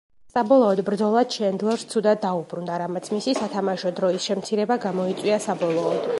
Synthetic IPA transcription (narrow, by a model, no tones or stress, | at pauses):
sabɔlˠɔːd̪bɾd̪zɔlˠad̪̥ʃʰɛnd̪lˠɔɾst̪sʰud̪ad̪̚dːaubɾund̪aɾamat̪sʰmisisat̪ʰamaʃɔd̪ɾɔisʃɛmt̪sʰiɾɛbaɡamɔit̪sʼwiasabɔlˠɔːd̪̥